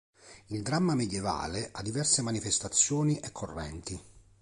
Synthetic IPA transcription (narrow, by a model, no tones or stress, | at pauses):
ild̪ɾamːamed̪jeva̰ːleʔad̪ːivɛrsemanifest̪at̪sːjɔːniʔɛkʰːorːɛ̰nt̪i